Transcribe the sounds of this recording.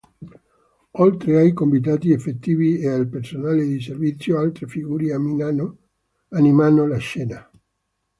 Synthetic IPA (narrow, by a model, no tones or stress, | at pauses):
olt̪ɾeajkombit̪aːt̪iefːet̪ːiːviealpersonaːled̪iservit̪sːjoalt̪ɾefiɡuːɾe | animanːolaʃːɛːna